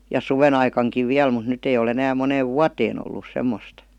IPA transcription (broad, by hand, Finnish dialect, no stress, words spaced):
jɑ suʋenɑikɑŋkiʋ ʋiæl mut nyt ei ol enæːm moneːʋ ʋuɑteːn olːus semːost